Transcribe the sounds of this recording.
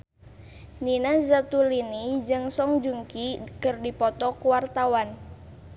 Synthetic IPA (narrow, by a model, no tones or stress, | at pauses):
ninazat̪ulinid͡ʒɨŋsɔŋd͡ʒuŋkikərdipɔt̪ɔkuwart̪awan